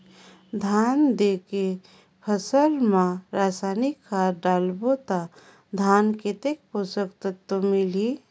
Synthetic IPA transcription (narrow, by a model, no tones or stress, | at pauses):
d̪ʱand̪eke | pʰəsəlmãɾasanikːaɖaːlbot̪a | d̪ʱaːnket̪ek̚posəkt̪ət̪omili